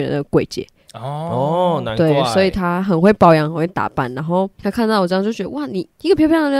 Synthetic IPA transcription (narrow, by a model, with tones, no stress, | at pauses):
ɻə̰˨˦nd̪ə˧kwe˨˩ɪt͡ɕjɛ̰˧˦ | t̪we˥˩ɪswɔ˧˥i˨˩t̪ʰa˦˥xə˨˩nxwe˥˩ɪpɑ˥˧ʊjɑ˧˦ŋxə˨˩nwe˥˩t̪a̰˨˩pa̰˥˩nna˧˦˥nxo˥˩ʊt̪ʰa˥kʰnt̪ɑ˥˩wt͡ɕjo˥˩ʊt͡ɕɛ˧˥ə˧wa˥˩ni˨˩i˥˩ɡə˨pʰjpjn˧˩˥